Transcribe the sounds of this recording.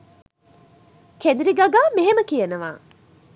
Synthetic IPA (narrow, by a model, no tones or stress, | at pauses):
kʰend̪ɾiɡɐɡaːmeɦeməkijɐnɐʋa̰ː